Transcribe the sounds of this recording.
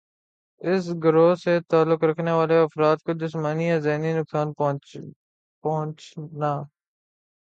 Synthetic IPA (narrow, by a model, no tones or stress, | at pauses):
ɪs̬ɡʊɾoːset̪aːlːʊkɾɐkʰneʋaːleɐfɾaːt̪̚kod͡ʒɪsmaːnijazeɦninʊksaːn | pɐɦʊ̃t͡ʃnaː